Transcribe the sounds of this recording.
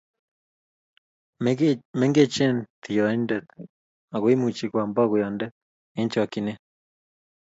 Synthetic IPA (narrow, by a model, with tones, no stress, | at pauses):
me˦ŋɡe˦t͡ʃe˦nt̪ʰi˨jo˨a˨i˦nde˨t̪ | a˨ɣwi˦mu˨t͡ʃi˨kʷa˨mba˦ɣu˨ja˨nde˦ | e˦nt͡ʃo˦a˨ki˨ne˦